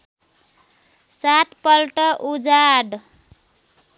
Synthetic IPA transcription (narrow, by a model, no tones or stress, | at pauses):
sat̪pʌlʈʌʔud͡zaɖ